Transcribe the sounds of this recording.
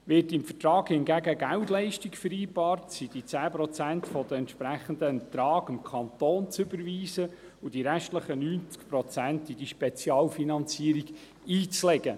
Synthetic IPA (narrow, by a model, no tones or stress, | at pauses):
ʋɪːtɪmfətɾɑːɡhɪnɡæɡəɡæwtlɛɪʃtikfəɾiːbɑːɾtsid̥it͡sæːpɾɔt͡sæntfɔd̥̪əɛnt̪ʃpɾæχənd̪əɛntɾɑːɡɪmkʰɑnt̪oːnt͡sʏbəɾʋiːsə | ʊd̥iɾæʃtləχənyːnt͡skpɾɔt͡sæntid̥iʃpɛt͡sjɑːlfinɑnt͡siːəɾiɡ | iːt͡slɛɡə